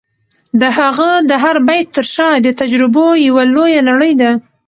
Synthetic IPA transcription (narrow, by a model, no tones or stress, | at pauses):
d̪əɦaɣəd̪əɦaɾbajt̪̚ːəɾʃɑd̪ət̪ad͡ʒɾɪbojawalojalaɽəjd̪a